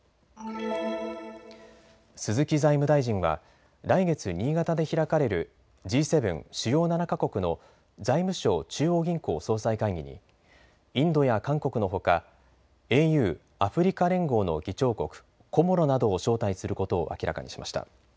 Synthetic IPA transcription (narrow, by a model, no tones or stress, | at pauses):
sɨzɨkʲizaimɯ̟d̪aiʑĩɰ̃βa̰ | ɾaiɡe̞t͡sɨɲ̟iːɡat̪ad̪e̞çiɾakaɾe̞ɾɯ̟ | d͡ʑiːse̞bɯ̟̃ŋɕijo̞ːnanakako̞kɯ̟no̞ | zaimɯ̟ɕo̞ːt͡ɕɨːo̞ːɡʲĩŋko̞ːso̞ːsaikaiɡʲiɲ̟ḭ | ĩnd̪o̞jakãŋko̞kɯ̟no̞ɦo̞ka | e̞ːjɯ̟ː | aɸɯ̟ɾʲikaɾẽ̞ŋɡo̞ːno̞̰ɡʲit͡ɕo̞ːko̞kɯ̟̥ | kʰo̞mo̞ɾo̞nad̪o̞ːɕo̞ːt̪aisɨɾɯ̟ko̞t̪o̰ːʔa̰kʲiɾa̰ka̰ɲḭɕimʔa̰ɕi̥t̪a̰